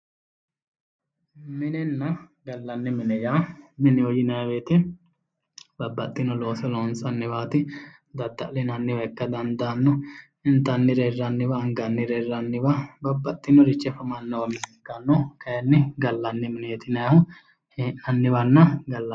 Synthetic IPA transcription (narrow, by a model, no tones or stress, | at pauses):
mɪnɛnːɐɡɐlːɐnːɪmɪnɛjaːmɪnɪɔjɪnɐɐweːt̪ɪ | bɐbːɐt̪ʼːɪnɔloːsɛloːnsɐnːɪwaːt̪ɪ | d̪ɐd̪ːɐʔlɪnɐnːɪwɐɛkːɐd̪ɐnd̪anːɔ | ɪnt̪ɐnːɪɾɛrːɐnːɪβɐːŋɡɐnːɪɾɛrːɐnːɪbɐbɐbːɐt̪ʼːɪnɔɾɪt͡ʃːɛfɐmɐnːɔwɐmɪsɪkːɐnːɔkɐjɛnːɪɡɐlːɐnːɪmɪnɛɛt̪ɪnɐjɐhʊ | nɐnːɪβɐnːɐɡɐlːɐ